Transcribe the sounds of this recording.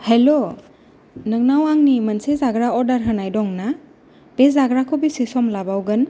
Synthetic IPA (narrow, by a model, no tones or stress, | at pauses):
helo | nɯŋnawaŋnimənsezaɡɾaɔɾdaɾɦənajdɔŋna | b̥ezaɡɾakʰɔbisisɔmlabawɡən